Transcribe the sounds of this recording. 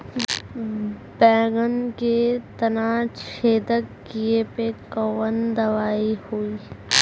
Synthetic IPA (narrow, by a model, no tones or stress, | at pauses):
bɛ̃ːɡənket̪ɐnaːt͡ʃʰeːd̪əkkiepekɔʋənd̪ɐʋaːihuiː